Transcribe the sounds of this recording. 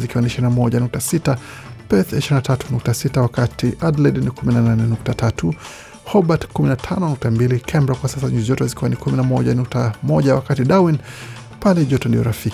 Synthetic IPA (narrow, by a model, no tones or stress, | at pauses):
zikiwaniʃiɾinamɔɟanuk̚tasita | pɛθiʃiɾinatatunuk̚tasitawakatiʔadlɛdnikuminananɛnuk̚tatatu | hɔbatkuminatʰanɔnuk̚tambilikʰɛmbɾakwasasaɲuziʄɔtɔzikiwanikuminamɔʄanuk̚tamɔʄawakatiɗawin | palɛʄɔtɔndijɔ̰ɾafik